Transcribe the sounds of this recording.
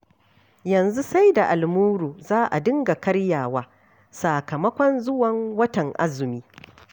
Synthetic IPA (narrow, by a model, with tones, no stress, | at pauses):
jɐ˨nzu˦sa˦jda˨ʔa˨lmuː˦ɾuː˨zaː˦ʔa̰˨dɪ˦ŋɡa˨kɐ˦ɽjaː˨waː˦ | saː˨kɐ˨mɐ˦kʷɔ˦nzʊ˦wɐ˨ŋwɐ˦tɐ˨ŋʔa̰˦zʊ˨miː˦